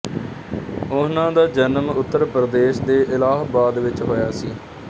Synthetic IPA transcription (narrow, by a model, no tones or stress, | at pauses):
ʊnãːd̪aːd͡ʒənmʊt̪ːəɾpəɾəd̪eːʃd̪eːʔɪlaːɦbaːd̪ʋɪt͡ʃɦoːjaːsiː